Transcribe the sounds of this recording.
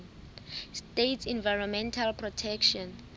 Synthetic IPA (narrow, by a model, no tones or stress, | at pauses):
stetsĩnvajɹɔnmɛ̃ntʰalpʰrɔtʰɛkʃɔn